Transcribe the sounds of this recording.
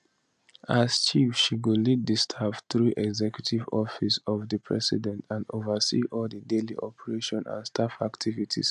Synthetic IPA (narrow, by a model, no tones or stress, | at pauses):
ast͡ʃifʃiɡulid̚distʰaftɹuʔɛɡzɛkjutʰivɔfisɔvdəpʰɹɛ̰sḭdɛ̃ntʰãndovəsḭʔɔldədeliʔɔpʰəɹeʃɔ̃nã̰nstʰafaktʰivitʰḭs